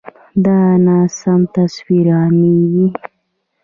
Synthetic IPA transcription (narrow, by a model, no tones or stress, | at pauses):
d̪ɑnɑsamt̪aswiɾɑneɡi